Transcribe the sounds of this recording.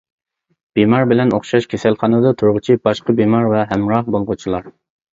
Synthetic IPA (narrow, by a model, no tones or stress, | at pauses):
b̥imɑɾbɪlɛnoχʃɑʃkʲʰesɛlχɑnɨd̪ɑt̪ʰuɾʁʊt͡ʃʰib̥ɑʃqəbimɑɾvɛɦɛmɾɑhbolˠʁʊt͡ʃʰilˠɑɾ